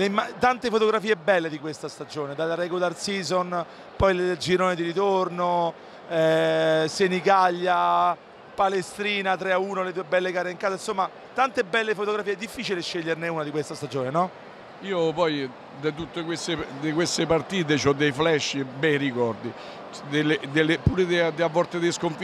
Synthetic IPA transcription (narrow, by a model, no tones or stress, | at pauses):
leimːat̪ant̪efot̪oɡɾafiːebːɛlːed̪ikwest̪ast̪ad͡ʒoːned̪alaɾɛɡularsiːzon | pɔjld͡ʒiɾoːned̪iɾit̪orno | ɛsenikaʎːa | palest̪ɾiːnat̪ɾeauːnoled̪uːebɛlːekaːɾeiŋkaːzainsomːa | t̪ant̪ebːɛlːefot̪oɡɾafiːeɛd̪ːifːiːt͡ʃileɛʃːeʎːerneuːnad̪ikwest̪ast̪ad͡ʒoːnenɔ | iːopɔj | d̪at̪ut̪ːekwest̪ed̪ikwest̪epart̪iːt̪̬et͡ʃɔd̪ːejflɛʃːbɛjrikɔrd̪i | d̪elːed̪elːepuːɾed̪ed̪eavːɔɾt̪ed̪ejskoɱfi